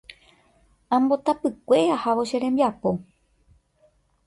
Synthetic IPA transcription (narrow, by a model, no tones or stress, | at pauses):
ãmbo̞t̪apɨkʷe̞ahaʋoʃe̞ɾẽ̞mbjapo̞